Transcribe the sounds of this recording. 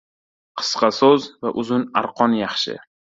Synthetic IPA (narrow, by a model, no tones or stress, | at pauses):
qʰɨ̥sqʰɑsozvaʔʊzʊnaɾqʰɒnjɑχʃɪ̰